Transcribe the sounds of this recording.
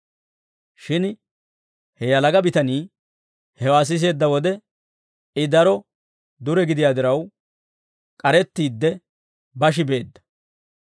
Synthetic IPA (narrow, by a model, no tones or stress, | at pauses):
ʃɪn | hɛjɐlɐɡɐbɪt̪ɐniː | hɛwaːs̬ɪs̬e̞ːd̪ːɐwɔd̪ɛ | ɪd̪ɐɾɔ | d̪ʊɾɛɡɪd̪ɪjaːd̪ɪɾɐw | kʼɐɾɛt̪ːiːd̪ːɛ | bɐʃ̬ɪbe̞ːd̪ːɐ̥